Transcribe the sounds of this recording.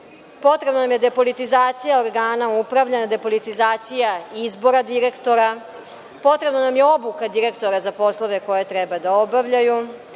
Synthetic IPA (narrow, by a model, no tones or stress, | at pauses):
po̞t̪ɾe̞bnanamje̞d̪epo̞lit̪izaːt̪sijaoɾɡaːnaupɾaʋʎanad̪e̞po̞lit̪izaːt̪sijaizbo̞ɾad̪iɾe̞kt̪o̞ɾa | po̞t̪ɾe̞bnanamjeo̞bukad̪iɾe̞kt̪o̞ɾazapo̞slˠo̞ʋe̞ko̞jet̪ɾɛbad̪aobaʋʎaju